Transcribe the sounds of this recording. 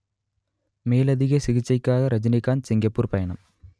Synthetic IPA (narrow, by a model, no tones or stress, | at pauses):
meːlɐðɪɣɐsɪɣɪt͡ʃːɐɪkːaːɣɐɾɐd͡ʒɪnɪkːaːnsɪŋɡɐpːuːɾpɐjɐɳɐm